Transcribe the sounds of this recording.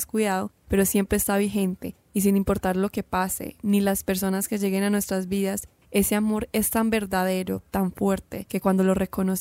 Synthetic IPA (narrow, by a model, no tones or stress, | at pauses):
skwiðaðo̞pe̞ɾo̞sje̞mpɾeːst̪aβixe̞nt̪e̞ | is̬inimpo̞ɾt̪aɾlo̞ke̞pase̞̰nilaspe̞ɾs̬o̞naske̞ʝe̞ɣe̞nanwe̞st̪ɾazbiðas | e̞seamo̞ɾe̞st̪ambe̞ɾðað̞e̞ɾo̞t̪aɱfwe̞ɾt̪e̞ke̞kwand̪o̞lo̞re̞ko̞nos